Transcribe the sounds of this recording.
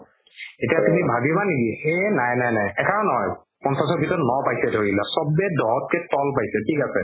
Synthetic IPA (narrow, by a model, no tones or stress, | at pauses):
etiatumibʱabibanekienajnajnajɛkʰaɹɔnɔɦɔj | pɔnsas̬ɔbʱitɔnɔpajsɛdʱoɹilasɔbɛdɔɦɔt̚kɛtɔlpajsɛtʰikasɛ